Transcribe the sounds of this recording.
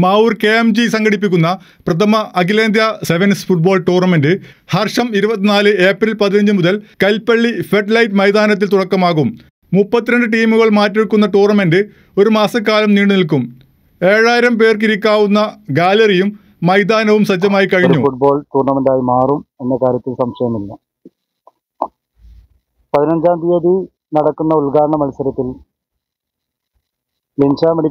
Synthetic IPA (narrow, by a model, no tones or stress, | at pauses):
maːurkeːmd͡ʑisɐŋɡɐɽip̬ːikʲːunːɐ | prɐt̪ʰɐmɐʔːkileːnd̪jɐseʋɐnsfuʈ̚bo̞ːlʈoːrnɐmendɨhɐrʂɐmiɾubɐt̪ːinaːlɨe̞ːprilpɐðinɐɲd͡ʑɨmuðɐlkɐlpːɐɭːifeʈlɐjtmɐjd̪aːnɐt̪̬ːilt̪uɽɐkːɐmaːɣum | mupːɐt̪ːiɾɐɳɖɨʈiːmuɣɐɭmaːtːiɻkːunːɐʈoːrnɐmendɨ | o̞ɾumaːsɐk̬ːaːlɐmniːɳɖɨnilkːum | e̞ːɻaːjiɾɐmp̬e̞ːrk̬iɾikːaːʋunːɐɡaːlɐrijumː | ɐjd̪aːnɐʋumsɐd͡ʑːɐmaːjikɐɻiɲɾːufuʈ̚bo̞ːɭt̪uːrnɐmend̪aːjimaːrume̞nːekaːɾjɐt̪ːilsɐmʂɐjɐmilːɐ | pɐðinɐɲd͡ʑaːnd̪ijɐði | nɐɽɐkːunːɐulɡaːɾɐɳɐmɐlisɐɾɐt̪ːil | lint͡ɕaːmeɽi